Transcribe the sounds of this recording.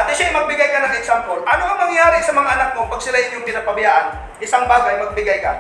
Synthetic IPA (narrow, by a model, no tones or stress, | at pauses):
pɐt̪ɪʃaɪmɐɡ̚bɪɡajkɐnɐŋɛksampolʔɐnoʔɐŋmɐŋjjaːɾɪsɐmɐŋaʔɐnak̚mopɐɡ̚sɪlaʔɪɲoŋkɪnaːpɐbɐjaːʔɐn | ʔɪsaŋbaːɡɐjmɐɡ̚bɪɡajka̰